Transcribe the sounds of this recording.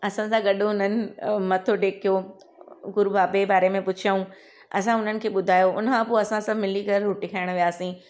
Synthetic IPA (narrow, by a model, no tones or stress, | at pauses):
ɐsãsãɠɐɗoʊnənɪ̆mɐt̪ʰoʈeːkʰijo | ɡʊɾubaːbebaːɾemẽpʊt͡ɕʰaũ | ɐ̰s̬ãʊn̤ənɪ̆kʰeːɓʊd̪ʱaːjoʊ̰n̤əkʰãpoːɐsãsãmɪlikɐɾɦʊʈikʰaɪɽ̃ʋijaːsĩ